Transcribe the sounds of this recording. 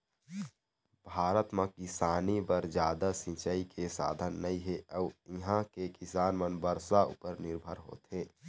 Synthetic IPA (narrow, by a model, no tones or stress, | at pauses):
bʱaːɾət̪mãkɪsaːnibəɾd͡ʒjaːd̪asɪ̃t͡ʃəikʰesa̰ːd̪ʱənːəĩɦeəːɪɦãkekɪsaːnmənbəɾsaʊ̰pəɾnɪɾbʱəɾɦo̰ːt̪ɦẽː